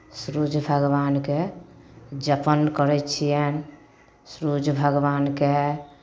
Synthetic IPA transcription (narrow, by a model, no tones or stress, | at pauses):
sɾud͡ʒʱbʱəɡʋanke | d͡ʒəpənkəɾɛt͡ʃʰijɛn | sɾud͡ʒʱbʱəɡbanke